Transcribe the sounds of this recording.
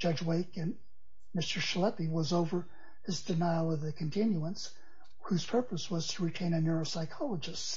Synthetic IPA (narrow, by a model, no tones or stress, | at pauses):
d̥ʒ̥ʌd͡ʒweɪkɨ̃n | mɪstə˞ʃlɛpiwʌzoʊvə˞ | ɨzdɨnaɪlˠʌvðɨkʰɨ̃n̩tʰɪ̃njuə̃ns | hʉz̥pʰɜ˞pəswʌz̥tʰəɹitʰẽɪ̃ñɨnɜɹoʊsaɪkʰɑlˠəd͡ʒɨst